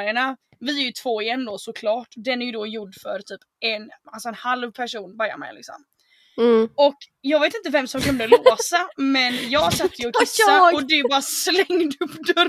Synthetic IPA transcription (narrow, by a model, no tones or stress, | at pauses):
əɳa | vɪæɾjɵt̪ʰv̥oːɪɛnːd̪ɔsʊkʰlɑːʈd̪ɛnæɾjɵd̪ɔjʊɖːfœɾt̪ʰyːp | ɛnalsɔɛnhalvpʰæʂuːnbœɾja̰mɛ̰jlɪ̰ksɔ̰m | ɔkjɑːɡveːt̪ɪnt̪̬əvɛmsɔmkʰɵnd̪əlosamɛnjɑːɡhaʂsat̪ːjəɔkɪsːaɔd̪ɛbɑːɾaslɛŋːd̪ɵpːd̪ɵɾ